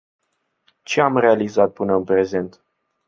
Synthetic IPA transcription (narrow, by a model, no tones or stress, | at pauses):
t͡ʃe̞amre̞alizat̪̚pɨnəɨnpɾe̞ze̞nt̪